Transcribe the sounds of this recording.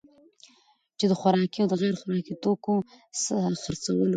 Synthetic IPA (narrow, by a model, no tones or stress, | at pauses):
t͡ʃed̪əxaɾɑkiawd̪əɣeɾxʊɾɑkit̪oko | səxəɾt͡sawəlo